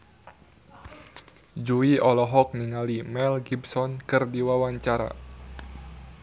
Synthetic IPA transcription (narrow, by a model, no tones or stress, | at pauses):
d͡ʒuiɔlɔɦɔk̚niŋalimɛlɡibsɔnkɨrdiwawaɲt͡ʃaɾa̰